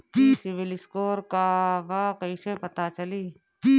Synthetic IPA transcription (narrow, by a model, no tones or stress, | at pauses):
sɪʋɪlɪskoːɾkabaːkəisepɐt̪at͡ʃɐliː